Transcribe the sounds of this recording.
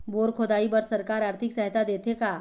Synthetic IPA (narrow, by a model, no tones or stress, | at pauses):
boːɾkʰoːd̪aːibɐɾsɐɾkaːɾaːɾt̪ʰɪksɐɦt̪ad̪eːt̪ʰekaː